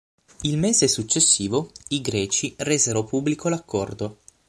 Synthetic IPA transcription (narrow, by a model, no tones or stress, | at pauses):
ilmeːzesut͡ʃːesːiːvoiɡɾɛːt͡ʃirɛzeɾopubːlikʰolakʰːɔrd̪o